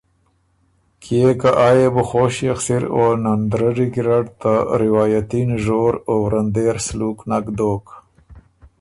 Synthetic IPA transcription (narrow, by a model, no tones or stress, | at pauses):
kʰijekaʔaːjebʊxoːʃjaxsiɾonand̪ɾaɾiɡɾaɖt̪aɾɪwɑːjat̪inʒoːɾowɾand̪eɾsluknakd̪oːk